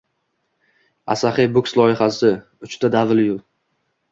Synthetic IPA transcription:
a̰saχɪjbʊkslˠɒjɪhasɪ | ʊt͡ʃt̪ʰad̪avljʊlˠ

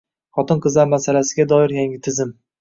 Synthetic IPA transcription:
χɒt̪ɨnqʰɨzlaɾmasalasɪɡʲad̪ɒɪɾjaŋʲɪt̪ʰɪzɪm

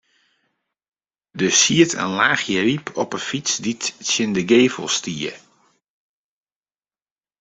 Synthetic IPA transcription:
dəsiətʰə̰nlaːxjəripʰɔpəfit͡sditsjɪndəɡeːvəlˠstiə

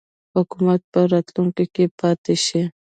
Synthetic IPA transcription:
hʊkʊmat̪̚paɾat͡ɬ̪ʊŋkɪkɪpaːt̪ɪʃɪ

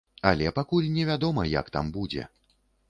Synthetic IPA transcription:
ɐlʲɛpakulʲnʲɛvʲad̪ɔmɐja̰kt̪a̰mbud͡zʲɛ̰

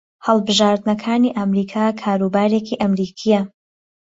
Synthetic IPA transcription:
hɐlˠbɨʒaːɾd̪nɐkʰaːniːʔamɾiːkʰaːkʰaːɾuːbaːɾekiʔɐmɾiːkʰijɐ

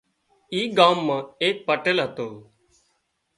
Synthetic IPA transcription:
iːɡaːmːãːeːk̚pəʈəlɦət̪oː

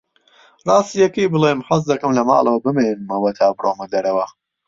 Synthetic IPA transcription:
rˤɑːst̪ijɐkijbɨleːmħɐz̬d̪ɐkɨmlɐma̰ːlˠɐwɐbɨmeːnnɨmɐwɐt̪ʰaːbɨrʔoːmɐd̪ɐɾɐwɐ

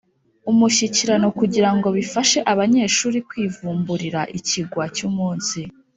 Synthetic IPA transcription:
umuʃiciɾano̞kuɟiɾaŋɡo̞βifaʃe̞ʔaβaɲe̞ːʃuːɾikwiːvuːmbuɾiɾaʔiciɡwacumuːnsi

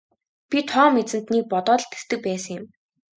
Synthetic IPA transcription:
pʲit̪ʰɔːmet͡sɘ̆nt̪nik̚pɔt̪ɔːɮt̪est̪ɘ̆k̚pæːsə̆ŋjɪ̆m

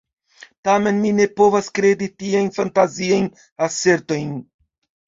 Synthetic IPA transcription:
tame̞nmine̞po̞vaskɾe̞ditiajnfantaziajn | ase̞ɾto̞jn

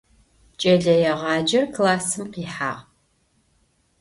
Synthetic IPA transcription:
t͡ʃʼɐɮɐjɛʁɑːd͡ʒɐrkʰlaːsɨmqiːħa̰ːʁ

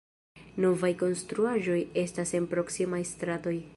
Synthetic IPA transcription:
no̞vajko̞nstɾuaʒo̞je̞stase̞npɾo̞ksimajstɾato̞j

